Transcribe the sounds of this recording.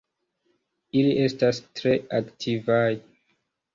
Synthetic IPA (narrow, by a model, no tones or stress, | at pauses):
iliʔe̞stastɾe̞aktʰivaj